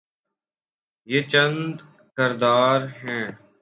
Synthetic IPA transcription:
jeːt͡ʃənd̪ | kəɾd̪aːɾɦɛ̃ː

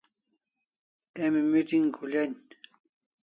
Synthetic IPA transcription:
emɪmɪt̪ɪŋkʰʊʎan

